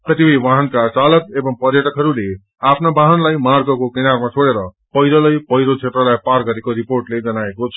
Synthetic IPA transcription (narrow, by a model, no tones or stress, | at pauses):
kʌt̪ipʌjʋaɦʌnkat͡salʌk̚ebʌmpʌrjʌʈʌkɦʌɾule | apʰnabaɦʌnlajmarɡʌkokinarmat͡sʰoɽeɾʌ | pʌjɾʌlʌjpʌjɾot͡sʰet̪rʌlajparɡʌɾekoɾiporʈled͡zʌnaekot͡sʰʌ